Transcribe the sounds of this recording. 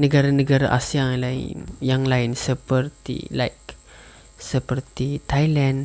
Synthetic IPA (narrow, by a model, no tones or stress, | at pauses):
nəɡaɾanəɡaɾa̰ʔasialaɪ̰njaŋlaɪnsəpərt̪ḭla̰jk | səpərt̪it̪ajlan